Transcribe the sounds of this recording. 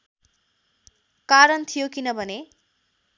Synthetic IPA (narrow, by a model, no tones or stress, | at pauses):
kaɾʌnt̪ʰijokinʌbʱʌne